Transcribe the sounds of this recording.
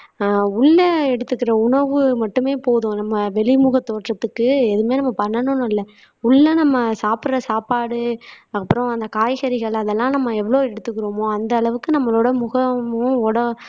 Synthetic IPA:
ʊɭːɐɛɽɯt̪ːɯkːɪɾɐʊɳɐɾʋɯmɐʈːɯmeːpoːðʊ̃nɐmːɐʋɛɭɪmʊɣɐt̪ːoːʈrɐt̪ːɯkːɯɛðɯmeːnɐmːɐpɐɳːɐnʊ̃ñɪlːɐ | ʊɭːɐnɐmːɐsaːpɯɾɐsaːpaːɽɯɐpːɯɾɔ̃ɐnd̪ɐkaːjɣɐɾɪɣɐɭɐðɛlːãːnɐmːɐɛʋːɐɭoːɛɽɯt̪ːɯkːɯɾoːmoːɐnd̪ɐːɭɐʋɯkːɯnɐmːɐloːɽɐmʊɣɐmʊ̃ɔɽɐ

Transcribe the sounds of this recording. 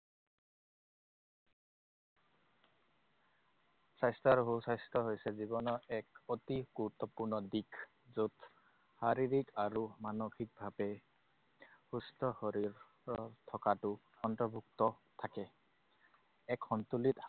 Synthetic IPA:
sajstaɹɦusajstɔɦojsɛzibɔnɔɹɛkotiɡ̥uɹut̪ːɔpuɹnɔdikʰ | zut | haɹiɹikaɹumanokʰik̚bʱabɛ | hustɔxɔɹiɹ | ɔtʰɔkatʊ | ɔntɹɔbʱuk̚tɔt̪ʰakɛ | ɛkɔntulit

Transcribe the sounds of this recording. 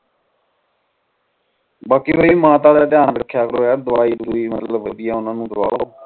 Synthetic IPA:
baːkiɦoːiːmãːt̪aːlɛːt̪ɪjaːnʋəkʰːjaːkɾoːɛːd̪ʊʋaːiːd̪uiːmət̪ləbːəd̪ɪjaːʊnãːnũːd̪əɾa̰ːoː

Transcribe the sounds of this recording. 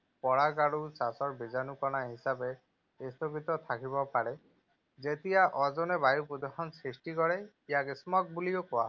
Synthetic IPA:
pɔɽaɡaɽut͡ʃasɔɾbid͡ʒanukɔnaɦisabe | est̪okit̪ɔt̪ʰakibɔpaɽe | d͡ʒet̪iaʔɔd͡ʒɔnebajupɾud̪ɔxɔnsɾisʈikɔɽe | ijakismɔk̚buliokɔwa

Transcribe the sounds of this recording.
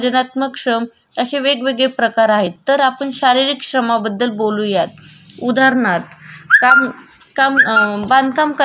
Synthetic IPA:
d͡ʑənat̪məkʂɾəm | əɕeʋeɡʋeɡɭepɾəkaɾaɦet̪ːəɾapəɳɕaɾiɾikɕɾəmabəd̪ːəlbolũjat̪̚ | ud̪ʱaɾɳat̪kamkamband̪̚kamkə

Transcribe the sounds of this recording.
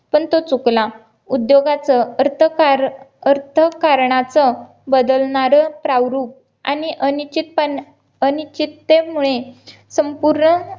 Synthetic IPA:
pəɳt̪ot͡sukla | ud̪joɡat͡səəɾt̪ʰəkaɾəɾt̪ʰəkaɾɳat͡sə | bəd̪əlɳaɾəpɾawɾuːp̚ | a̰niʔənit͡ɕit̪̚pən | ənit͡ɕit̪ːem̤uɭe | səmpuɾɳə

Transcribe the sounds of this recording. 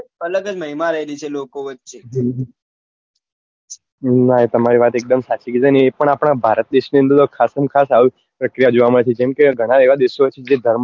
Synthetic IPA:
ələɡəd͡ʒməɦimaɾəɦelit͡ʃʰelokoʋətːʃe | naet̪əmaɾiʋat̪ek̚d̪əmsat͡ʃiɡid͡zaneːpəɳ̃apɽ̃abʱaɾət̪̚d̪eʃniənd̪əɾt̪okʰasəmkʰasaʋi | pɾəkɾijad͡ʒoʋaməɭet͡ʃʰed͡ʒɛmkeɡʱəɽ̃aeʋad̪eʃoʋət͡ʃʰed͡ʒed̪ʱəɾm

